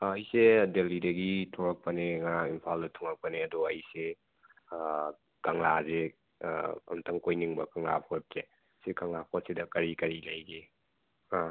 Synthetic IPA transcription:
ɐjsedelidɐɡitʰɔɾɐk̚pɐneŋaimpʰaldɐtʰuŋɐk̚pɐneɐduɐjse | kɐŋlazḛ | ɐ̰mtʰɐŋkojniŋbɐkɐŋlapʰɔt̚ze | sekaŋlapʰɔt̚sidɐkɐɾikɐɾilɐjɡi

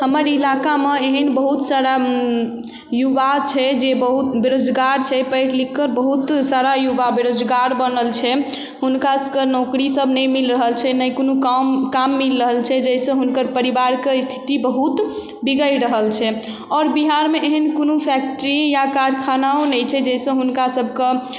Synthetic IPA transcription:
həməɾilakameeɦənbəɦut̪saɾa | jubat͡ʃʰɛd͡ʒebəɦut̪beɾod͡ʒɡaɾt͡ʃʰɛpəɪʈlikːəɾbəɦut̪saɾajubabeɾod͡ʒɡaɾbənəlt͡ʃʰɛ | ɦunkaskəɾnɔkɾisəbʱnəjmilɾəɦəlt͡ʃʰɛnəkonukkamːilɾəɦəlt͡ʃʰɛd͡ʒəɪsə̃ɦunkəɾpəɾibaɾkest̪ʰi̥t̪ibəɦut̪ | biɡəjɾəɦəlt͡ʃʰɛ | ɔːɾbiɦaɾmeʔeɦənkonupʰɛk̚ʈəɾijakaɾkʰanaonəjt͡ʃʰɛd͡ʒɛsə̃ɦunkasəbʱke

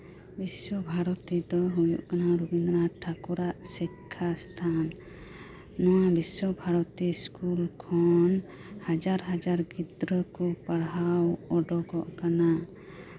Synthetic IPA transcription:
biswɔbʱaɾɔt̪id̪ɔɦujṵʔkanaɾubind̪ɾaʈʰakuɾaʔsikʰːast̪ʰanː | ɔwabisɔbʱaɾɔt̪iskulkʰɔn | had͡ʒaɾɦad͡ʒaɾɡid̪ɾəkɔpaɽɦawɔɖɔɡɔʔkana

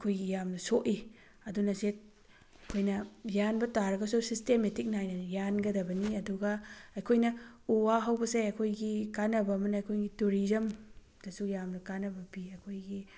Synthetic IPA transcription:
ɐkʰojɡijamnɐsoʔi | ɐdunɐset̚ | ɐkʰojnɐjanbɐtaɾɐɡɐsusistemetik̚najnɐjanɡɐdɐbɐniɐduɡɐɐjkʰojnɐuwaɦɐwbɐsejɐkʰojɡikanɐbɐːmɐnɐːjkʰojɡituɾizɐm | d̥ɐsujamnɐkanɐbɐbiɐjkʰojɡi

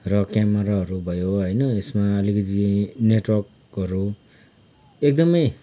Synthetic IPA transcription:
rʌkamʌɾaɦʌɾubʱʌjoɦʌjnʌesmaʌlikʌd͡zineʈwʌrk | ɦʌɾu | ek̚d̪ʌmʌj

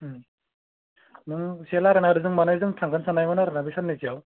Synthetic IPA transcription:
nɯŋselaɾɯnaɾɯzɯŋmanɯjzɯŋtʰaŋɡɯnsanajmɯnaɾɯnabʱisannisijaw

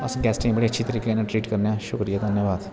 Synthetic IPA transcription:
əsɡɛːsʈãbəɽeətːʃʰit̪əɾiːkenãʈɾiːʈkəɾnejaːʃʊkɾijaːd̪ʱənjəʋaːd̪

